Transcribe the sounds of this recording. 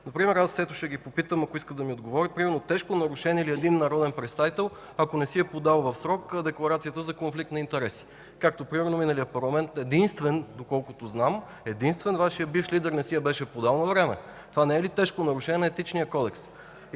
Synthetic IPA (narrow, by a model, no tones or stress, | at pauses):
nɐpɾimɛɾasːɛt̪ʊʃɛɡipopit̪əmɐkoiskəd̪ɐmiod̪ɡovɔɾʲipɾimɛɾnot̪ɛʃkonɐɾʊʃɛnʲɛiliɛd̪inːɐɾɔd̪ɛnpɾɛt̪st̪avit̪ɛlˠ | ɐkonɛsiɛpod̪alˠvɐfsɾɔkəd̪ɛklˠɐɾat̪sijət̪əzɐkonflikt̪nɐint̪ɛɾɛsi̥ | kak̚t̪opɾimɛɾnominəlijəpɐɾlˠɐmɛnt̪ɛd̪inst̪vɛnd̪okɔlˠkʊt̪oznam | ɛd̪inst̪vɛnvaʃijəbiflid̪ɛɾnɛsiɛbɛʃɛpod̪alˠnɐvɾɛmɛ̰t̪ovanɛɛlit̪ɛʃkonɐɾʊʃɛnʲɛnɛɛt̪it͡ʃnijəkɔd̪ɛks